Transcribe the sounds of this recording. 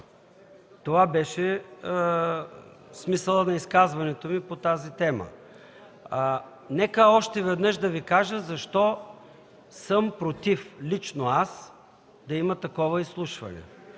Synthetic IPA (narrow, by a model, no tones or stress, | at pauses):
t̪ovabɛʃɛ | smisəlˠənɐiskazvɐnɛt̪omipot̪azit̪ɛmə̰ | nɛkəɔʃt̪ɛvɛd̪nɤʃd̪ɐvikaʒəzɐʃt̪ɔ | səmpɾot̪iflit͡ʃnoas | d̪ɐimɐt̪ɐkɔvəislˠuʃvɐ̰nɛ̰